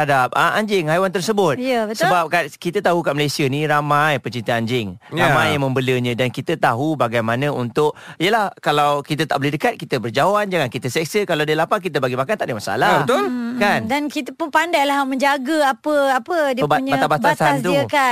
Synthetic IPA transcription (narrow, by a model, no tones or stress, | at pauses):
adap̚aʔaɲd͡ʒɪŋhajwant̪̬ərsəbʊt̪̚jəbətsəbap̚kankit̪ət̪aɦukat̪ʔ̚məlasiəniɾamajpət͡ʃint̪aaɲd͡ʒɪŋɾamajːaŋmə̃mbələɲə̃dankit̪ət̪aɦubaɡajmanə̃unt̪ʊʔ̚ijəlahkalawkit̪ət̪aʔbəledəkat̪̚kit̪əbərd͡ʒaoand͡ʒaŋankit̪əsɛk̚səkalawdəlapak̬it̪̬əbaɡimakant̪aʔdəmasa̰laət̪ʊlkandankit̪əpʊnpandajlahmə̃ɲd͡ʒaɡəapəapədiəpbaɲbaabattb̪asaastd̪ɾuika